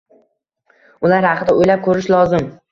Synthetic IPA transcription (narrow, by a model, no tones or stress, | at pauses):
ʊlaɾhaqɨd̪aojlap̚kʰɵɾɪʃlˠɒzɪm